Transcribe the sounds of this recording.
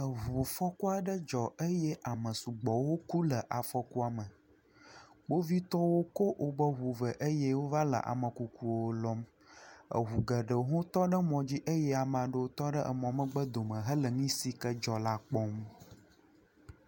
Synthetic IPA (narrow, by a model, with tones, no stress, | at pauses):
ə˨ɦu˨fɔ˦ku˦a˨ɖə˦d͡ʒɔ˨ə˦jɛ˦ʔa˨mə̃˨su˨ɡ͡bɔ˨wo˦ku˦lə˨ʔa˨fɔ˦ku˦a˨mə˨ | ɡ͡bo˦vi˦t̪ɔ˦wo˦ko˦ʔo˦bə˦ɦu˨və˨ʔə˦jɛ˦wo˦va˦lə̰˨ʔa̰˨mə̃˨ku˨ku˨wo˦lɔ˦m | ə̰˨ɦu˨ɡə˨ɖə˨ɦõ˦t̪ɔ˦ɖə˦mɔ̃˨d͡ʑi˦ʔə˦jɛ˦a˨m˨ã˨ɖə˦wo˦t̪ɔ˦ɖə˦ʔə̰˨mɔ̃˨mə̃˨ɡ͡bə˦d̪o˨mə̃˨ɦə˦lə˨ŋĩ˦si˦kə˦d͡ʒɔ˨la˦k͡pɔ˦m